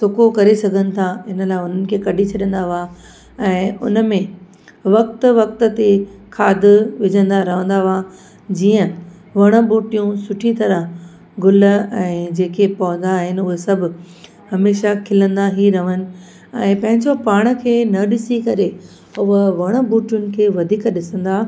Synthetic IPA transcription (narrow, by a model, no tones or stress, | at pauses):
sʊkokɐɾesɐɡʱənɪ̆t̪ʰaɪnəlaːɪʊn̤ənɪ̆kʰeːkɐɖʱit͡ɕʰɐɗə̃nd̪aʋa | ɛ̃ːʊ̰nəmẽ | ʋɐk̚t̪ʋɐk̚t̪ə̆t̪ekʰaːd̪ʋɪd͡ʑʱə̃nd̪aɾɐʋə̃nd̪aʋa | d͡ʑiːə̃ | ʋɐɽ̃əbuːʈijũsʊʈʰit̪ɐɾə̃ɦ | ɡʊləɛ̃ːd͡ʑeːkʰepɐə̃nd̪aːɦɪnʊɦesɐbʱʊ̆ | hɐmeːʃakʰɪlə̃nd̪aɦiɾɐʋənɪ̆ | ɛ̃ːpɐ̃ɦɪ̃ɲd͡ʑopaːɽ̃ə̆kʰeːnɐɗɪsikɐɾe | ʊɦəʋɐɽ̃ə̆buːʈijʊnɪ̆kʰeːʋɐd̪ʱiːkɗɪsə̃nd̪aː